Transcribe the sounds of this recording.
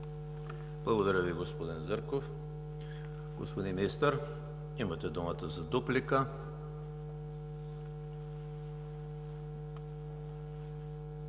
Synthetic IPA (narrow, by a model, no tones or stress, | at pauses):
blˠɐɡod̪ɐɾəviɡospod̪inzəɾkof | ɡo̰spod̪inmist̪əɾ | imɐt̪ɛd̪umət̪əzɐd̪uplikə